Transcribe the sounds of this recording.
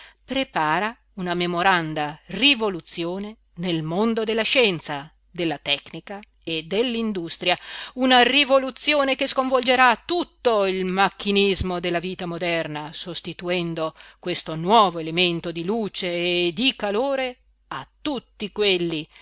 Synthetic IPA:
pɾepaːɾa | unamemoɾand̪arivolut̪sːjoːne | nelmond̪od̪elːaʃɛnt̪sa | d̪elːat̪ɛknika | ed̪elːind̪ust̪ɾjaunarivolut̪sːjoːnekeskoɱvold͡ʒeɾat̪ːut̪ːoilmakːinizmod̪elːaviːt̪amod̪ɛrnasost̪it̪uɛnd̪okwest̪onwɔːvoelement̪od̪iluːt͡ʃeːd̪ikaloːɾe | at̪ːut̪ːikwelːi

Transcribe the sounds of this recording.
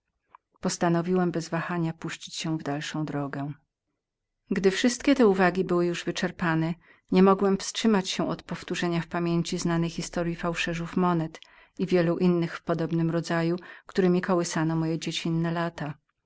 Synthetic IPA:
pɔst̪anɔvʲiwɛmbɛzvaxaɲapuɕt͡ɕit͡ɕɕɛ̃vd̪alʂɔ̃w̃d̪ɾɔɡɛ | ɡd̪ɘfʂɘst̪̚kʲɛt̪ɛuvaɡʲibɘwɘjuʐvɘt͡ʂɛɾpanɛ | ɲɛmɔɡwɛmfstʂɘmat͡ɕɕɛʔɔt̪pɔft̪uʐɛɲafpamʲjeɲt͡ɕiznanɛjxʲist̪ɔɾʲjifawʂɛʐufmɔnɛt̪ | ivʲjɛluʔinːɘxfpɔd̪ɔbnɘmɾɔd̪zajukt̪uɾɘmʲikɔwɘsanɔmɔjɛd͡ʑet͡ɕinːɛlat̪a

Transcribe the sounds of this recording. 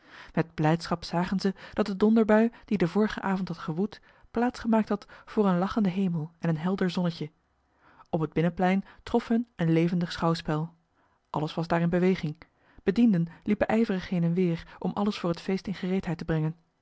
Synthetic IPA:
mɛd̚blɛjtsχɑpsaːχənzəd̥ɑt̚ədɔndəɹbœɥd̥idəvʊːɹəχəʔaːvɔntɦɑtχəʋut | plaːtsχəmaːk̚tɦɑtfʊːɹənlɑχəndəɦejməlˠɛnənɦɛlˠdəɹzɔnəcə | ɔpɦəd̚bɪnəplɛjntrɔfɦɵnənlejvəndəχsχɑwspɛlˠ | ʔɑləsʋɑzdaːɹɪnbəʋejχɪŋ | b̥ədindənlipəʔɛjvərəχhenənʋɪːɹʔɔmʔɑ̰ləsfʊːɹɦətfejstɪnχərejtɦɛjtəbrɛŋən

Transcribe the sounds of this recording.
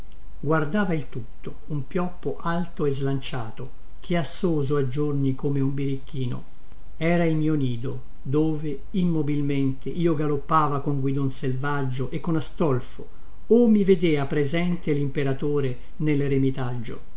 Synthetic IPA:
ɡward̪aːvailt̪ut̪ːo | umpjɔpːoʔalt̪oezlant͡ʃaːt̪o | k̟ʰeasːoːzoad͡ʒːornikomeumbiɾikːiːno̰ | ɛːɾailmiːoniːd̪o | d̪oːve | imːobilment̪ʰeʔiːoɡalopːaːvakoŋɡwid̪onselvad͡ʒːoʔekːonast̪ɔlfo | omːived̪eːapɾezɛnt̪elimpeɾat̪oːɾe | nelremit̪ad͡ʒːo̰

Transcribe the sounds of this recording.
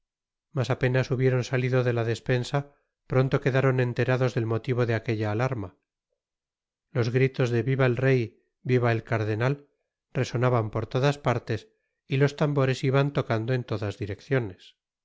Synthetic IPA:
masape̞nasuβje̞ɾo̞nsaliðo̞ðe̞laðe̞spe̞nsa | pɾo̞nt̪o̞ke̞ðaɾo̞nẽ̞nt̪e̞ɾaðo̞zðe̞lmo̞t̪iβo̞ðe̞ake̞ʎaːlaɾma | lo̞zɣɾit̪o̞zðe̞βiβaelre̞j | biβaelkaɾðe̞nal | re̞so̞naβampo̞ɾt̪o̞ðaspaɾt̪e̞s | ilo̞st̪ambo̞ɾe̞siβant̪o̞kand̪oe̞nt̪oðazðiɾe̞kθjo̞ne̞s

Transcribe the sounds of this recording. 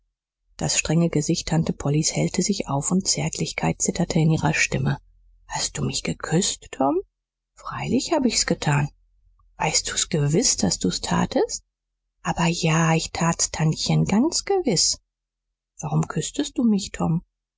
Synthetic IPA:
d̥asʃtʁ̥ɛŋəɡəzɪçtʰːantəpʰɔlishɛltʰəzɪçʔa̰ʊfʊntt͡sɛɐtʰlɪçkʰaɪt̚t͡sɪtʰɐtʰəɪnʔiːʁɐʃtɪmə | hast̚d̥uːmɪçɡ̥əkʰʏstːʰɔm | fʁ̥aɪlɪçhaːbəɪsɡ̥ətʰaːn | v̥aɪst̚d̥uːsɡ̥əvɪsd̥asd̥uːstʰa̰ːtʰəst̚ | ʔaːbɐjaːɪçtʰaːtstʰançənɡant͡sɡ̥əvɪs | v̥aʁʊmkʰʏstəst̚d̥uːmɪçtʰɔm

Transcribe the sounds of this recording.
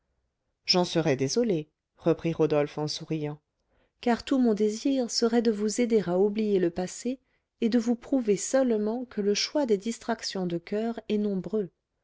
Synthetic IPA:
ʒɑ̃səʁɛd̪ezɔle | ʁəpχiʁɔd̪ɔlfɑ̃suʁijɑ̃ | kaʁt̪umɔ̃d̪eziʁsəʁɛd̪əvuzed̪eʁaublijeləpaseː | d̪əvupχuvesœlmɑ̃kʰələʃwad̪ed̪ist̪χaksjɔ̃d̪əkœːʁɛnɔ̃bʁø

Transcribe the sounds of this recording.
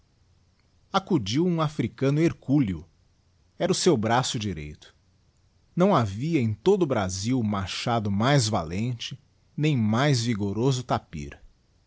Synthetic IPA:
akud͡ʒiwũafɾikɐ̃nʊeɾkulʊ | ɛɾɐʊsewbɾasʊd͡ʒiɾḛjt̪ʊ̥ | nɐ̃w̃aviɐẽj̃t̪od̪ʊbɾaziwmaɾʃad̪ʊmajzva̰lẽnt͡ʃɪ | nẽj̃majzviɡoɾozʊt̪apḭɾ

